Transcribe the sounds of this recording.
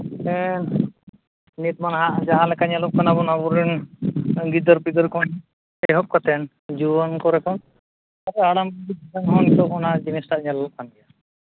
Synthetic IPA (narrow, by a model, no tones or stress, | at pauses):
ɛn | nit̪̚manɦaʔd͡ʒaɦãlɛkaɲɛlɔp̚kanabɔnaβɔɾɛn | ɡid̪ɔɾpid̪ɔɾkʰɔn | ɛɦɔp̚kɔt̪ɛn | d͡ʒubɔnkɔɾɛkɔn | aɾɛaɽambuɡid̪ɔtɛnɦɔnt̪ɔɔnad͡ʒinisʈaʔɲɛllɔp̚kanɡɛja